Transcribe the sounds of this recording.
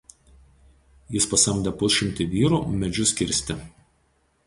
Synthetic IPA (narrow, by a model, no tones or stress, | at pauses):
jɪspɐsɐmʲd̪ʲɛpʊsʲʃʲɪmʲt̪ʲɪʋʲiːɾuːˑmʲɛd͡ʒʲʊsʲkʲɪɾʲˑsʲt̪ʲɪ